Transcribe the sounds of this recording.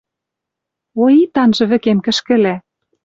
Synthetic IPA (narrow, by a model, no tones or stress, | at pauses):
oit̪ɑnʒɤ̆βɘ̆kemkɘ̆ʃkɘ̆læ